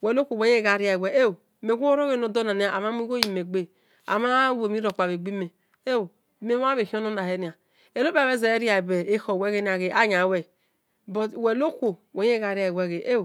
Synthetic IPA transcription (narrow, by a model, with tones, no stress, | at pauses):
we˨lo˦kʷo˨we˨˦ɲ˦e˦ɡa˨ɾi˦a˨e˨we˨˦e˦wme˨ɡʷo˦o˦ɾo˦ɣe˦˨no˨do˦na˨ni˦a˨a˨ma˦mi˦ɡo˦ji˨me˨ɡ͡be˦ | a̰˨ma˦we˨mi˦ɾo˨k͡pa˨βe˨ɡ͡bi˦me˨ | e˦w | me˦a˦βe˨hi˦o˦no˦na˨he˦ni˨a˨ | e˨lo˦ba˨e˦ze˨e˦ɾi˦a˨be˨e˦ho˨we˦ɣe˦ni˦a˨ɣe˨ʔa˦ɲa˨we˨ | bo˨we˨lo˦kʷo˨we˨ɲ˦e˦ɣa˨ɾi˦a˨we˦˨ɣe˨ʔe˦˨